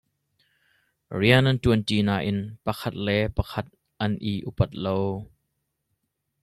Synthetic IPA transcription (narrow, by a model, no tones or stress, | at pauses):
riənʔɐntuənt̪iːnaːʔɪnpɐkʰɐt̪̚lɛpɐkʰɐt̪̚ | ʔɐnʔiːʔupɐt̪̚low